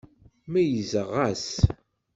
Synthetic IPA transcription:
mæjəzəʁæs

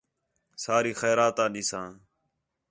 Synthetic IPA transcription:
saːɾiːxɛːɾaːt̪ãːɗiːsãː

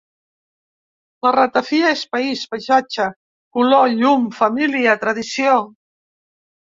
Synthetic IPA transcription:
lərət̪afiaespaispajʒat͡ʃə | kuloʎumfəmiliət̪ɾəðisio

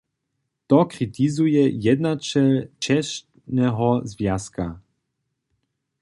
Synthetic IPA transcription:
t̪ɔkʁit̪izujɛjɛd̪nat͡ʃɛlt͡ʃɛʃ | nɛɦɔzvjaska̰

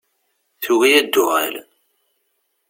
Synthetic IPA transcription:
θuɣijæd̪ːʊʁæ̰l

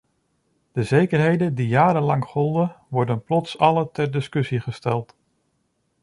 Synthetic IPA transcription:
d̥əzejkərɦejdəndijaːɾənlɑŋχɔlˠdəʋɔɹdənplɔtsɑlətɛɹdɪskɵsiχəstɛlˠt

